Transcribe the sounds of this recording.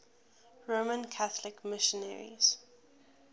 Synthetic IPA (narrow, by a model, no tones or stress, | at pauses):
ɹomə̃nkʰaθəlɪkmɪʃə̃nɛɹḭz̥